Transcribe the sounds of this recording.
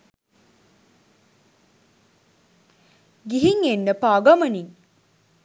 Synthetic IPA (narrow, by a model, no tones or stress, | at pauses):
ɡiɦiŋenːəpaɡɐmɐniŋ